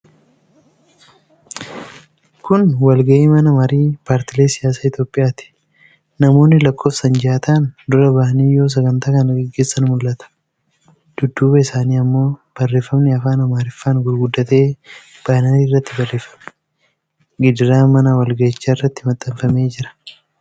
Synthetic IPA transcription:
kʰʊnwɐlɡɐʔeːmɐnɐmɐɾiːpaːɾt̪ɪle̞ːsɪjaːs̬aːɪt̪jo̞ːpʼːɪjaːt̪ɪ̥ | nɐmo̞ːnːɪlɐkʼːo̞ːfsɐnd͡ʒɪaːt̪aːnd̪ʊɾɐbahɐniːjo̞ːs̬ɐɡɐnt̪aːkɐnɐɡɛɡːe̞ːsːɐnmʊlːɐt̪ɐ̥ | d̪̥ʊd̪ːuːbɐɪsaːniːɐmːo̞ːb̥ɐrːe̞ːfːɐmnɪɐfaːnɐmaːɾɪfːaːnɡʊɾɡʊd̪ːɐt̪e̞ː | b̥aːnaniːrːɐt̪ːɪbɐrːe̞ːfːɐmɪ̥ | ɡɪd̪ɪɾaːmɐnɐwɐlɡɐɪt͡ʃːaːɪrːɐt̪ːɪmɐt̪ʼːɐmfɐme̞ːd͡ʒɪɾɐ̥

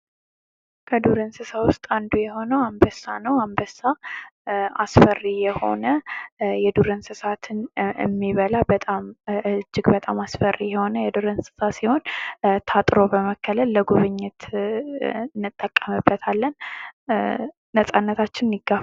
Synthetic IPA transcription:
kʰəd̪uɾɨnsɨsawʊst̪ʼand̪ujɛho̞nəwambəsːanəwambəsːa | a̰sfərijɛho̞̰nəjɛd̪uɾɨnsɨsat̪ʰɨnɨ̰mːiβəlabət̪ʼamɨd͡ʒːɪɡbət̪ʼamasfərːijɛho̞nəjɛd̪uɾɨnsɨ̥sasiho̞nt̪ʰat̪ʼɾo̞bəməkʰːələlːəɡuβɨɲːɪt̪ | ɨnːɨt̪ʼːəkʼːəmɨbːət̪ʰalːən | əsʼanːət̪ʰat͡ʃːɪnniɡaf

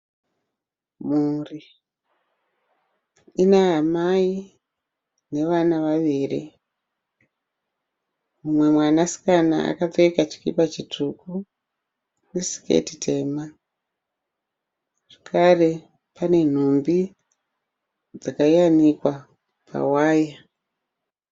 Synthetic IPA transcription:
muri | ineamai | ne̞ʋanaʋaʋiri | mumwe̞mwanasi̥kana̰a̰kateikat͡ʃi̥kipat͡ʃitʰuku | risi̥kḛtitʰe̞ma | ʐ̥ekʰare̞ | pane̞n̤ombi | d͡zakajanikwa | pʰa̰waːja

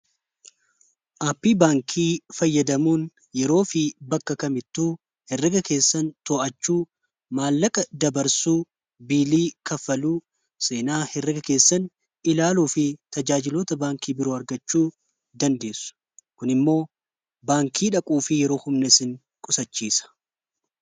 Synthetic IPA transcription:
ʔaːpːiːbaːŋkʰiːfɐjːɐd̪ɐmuːn | jɛɾo̞ːfɪbɐkːɐkɐmɪt̪ːuː | hɛrːɪɡɐke̞ːsːɐnt̪oːʔɐt͡ʃːuː | maːlːɐkʼɐd̪ɐbɐɾsuː | biːliːkɐfːɐluː | se̞ːnaːhɛrːɪɡɐke̞ːsːɐn | ɪlaːluːfɪt̪ɐd͡ʒaːd͡ʒɪloːt̪ɐbaːŋkiːbɪɾoːɐɾɡɐt͡ʃːuː | d̪ɐnd̪e̞ːsʊ̥ | kʊnɪmːo̞ː | baːŋkʰiːᶑɐkʼuːfɪjɛɾo̞ːhʊmnɛsɪn | kʼʊsɐt͡ʃːiːsɐ̥

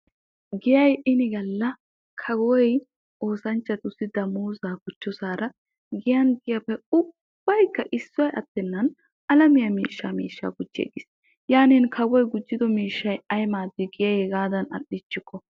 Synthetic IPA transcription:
ɡɪjɐjʔɪnɪɡɐlːɐ | kʰɐɡɔwɔj | oːsɐnt͡ʃːɐt̪ʊsːɪd̪ɐmuːzaːɡʊt͡ʃːɔsaːɾɐ | ɡɪjɐnɡɪjɐpːɛʊ | b̥ːɐjkːɐʔɪsːʊwɐjɐt̪ːɛnːɐn | ɐlɐmɪjɐmiːʃːamḭːʃːa̰ːɡʊd͡ʒːḛːɡɪs | jaːniːnkʰɐɡɔjɡʊd͡ʒːɪd̪ɔmiːʃːɐjɐjmaːd̪ːɪɡɪjɐjɛɡaːd̪ɐnɐ̰ɗɪt͡ʃːɪkːɔ

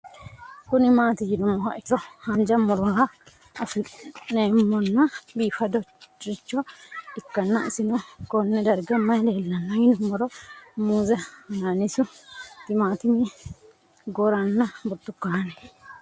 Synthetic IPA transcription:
kʊnɪmaːt̪ɪd͡ʒɪnʊmːɔhɐ̰ʔɪtːɔhɐnd͡ʒɐmːʊɾɔhɐ | ɐfɪnemːɔnːɐbiːfɐd̪ɔt͡ʃɪt͡ʃːɔɪkːɐnːɐɪsɪnɔkɔnːɛd̪ɐɾɡɐmːɐjdeːlːɐnːɐjɪnʊmɔɾɔmuːzɛnaːnɪsʊt̪ːɪmaːt̪ɪmɪ | ɡɔɾɐnːɐbɔt̪ːʊkːaɐnɛ

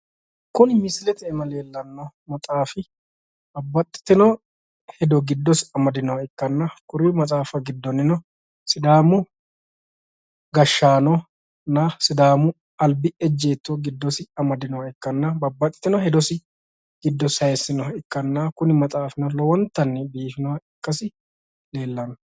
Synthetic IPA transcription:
kʊnɪmɪslɛt̪ɛɛmɐle̞ːlːɐnːɔmɐt̪ʼaːfɪ | bɐbːɐt̪ʼːɪ̥t̪ːɪnɔ | hɛd̪ɔɡɪd̪ːɔsɪɐmɐd̪ɪnɔwɪkːɐnːɐkʊɾiːmɐt̪ʼaːfɐɡɪd̪ːɔnːɪnɔ | sɪd̪aːmʊ | ɡɐʃːaːnɔ | nɐsɪd̪aːmʊ | ɐlbɪɛd͡ʒːeːt̪ːɔɡɪd̪ːɔsɪɐmɐd̪ɪnɔwɐɪkːɐnːɐbɐbːɐt̪ʼːɪ̥t̪ːɪnɔhɛd̪ɔsɪ | ɡ̥ɪd̪ːɔsɐjɛsɪnɔɪkːɐnːakʊnɪmɐt̪ʼaːfɪnɔlɔwɔnt̪ːɐnːɛbiːfɪnɔwɐɪkːɐsɪ | le̞ːlːɐnɔ

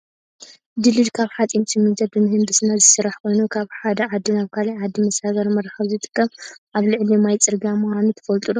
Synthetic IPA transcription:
d̪ɨlɨd̪kʰaβħat͡sʼint͡ʃɨmɨzɐbɨmɨhɨnb̪ɨsɨnazɨsɨɾaħkʰo̞jnukʰaβħad̪ɐʕad̪ːinaβkʰalajʕad̪ːimɐsaβɐɾmɐɾxɐβzɨt̪ʼɨ̥kʰːɐmʔaβlɨʕlimajt͡sʼɨɾɡiamuxʷanut̪ʰɐ̥fɐlt̪ʼulo

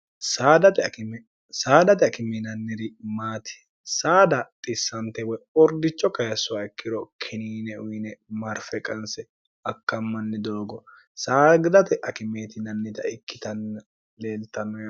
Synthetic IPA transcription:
saːd̪ɐt̪ɛm | saːd̪ɐt̪ɛɐkɪminɐnːɪɾɪmaːt̪ɪ̥ | saːd̪ɐt̪ʼɪsːɐnt̪ɛwɔjɔɾd̪ɪt͡ʃːɔkɐjɐsʊwaɪkːɪɾɔkʰɪniːnɛʊjnɛmɐɾfɛkʼɐnsɛ | ɐkːɐmːɐnːɛd̪o̞ːɡɔ | saːɡd̪ɐt̪ɛʔɐkɪmeːt̪ɪnɐnːɪt̪ɐɪkːɪt̪ɐnːɐ | le̞ːlt̪ɐnːɔj

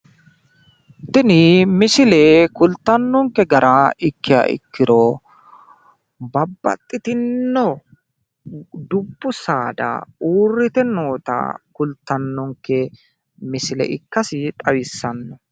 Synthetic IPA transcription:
t̪ɪnɪmɪsɪlɛkʊlt̪ːɐnːɔŋkːɛɡɐɾʔaɪkːɪjɐ̰ʔɪ̰kːɪɾɔ | bɐbːɐ̰t̪ʼːɪt̪ɪnːɔ | d̪ʊbːʊsaːd̪ɐ̰uːrːɪt̪ɛno̞ːt̪ɐ̰kʊlt̪ːɐnːɔŋkːɛ | mɪsɪlɛ̰ʔɪkːɐsɪt̪ʼɐwɪsːɐnːɔ

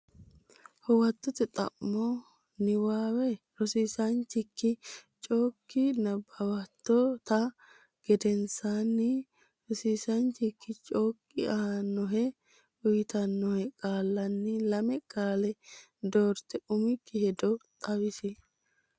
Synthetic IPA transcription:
hɔwɐt̪ːɔt̪ɛt̪ʼɐ̰mːɔ | nɪwaːwɛ | ɾɔsiːsɐnt͡ʃːɪkːɪt͡ʃʼoːkːɪnɐbɐwɐt̪ːɔt̪ɐ | ɡ̥ɛd̪ɛnsanːɪ | ɾɔsiːsɐnt͡ʃɪkːɪt͡ʃʼoːkʼːɪɐhɐnːɔɦɛ | ʊjɪt̪ɐnːɔhɛkʼaːlːɐnːɪlɐmɛkʼaːlɛ | d̪oːɾt̪ːɛʊmɪkːɪhɛd̪ɔt̪ʼɐwɪsɪ

